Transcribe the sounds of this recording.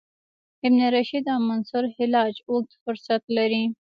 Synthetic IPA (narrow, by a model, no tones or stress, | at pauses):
ɪbneɾaʃid̪amansʊɾhɪlɑd͡ʒok̚t̪fʊɾsat̪laɾi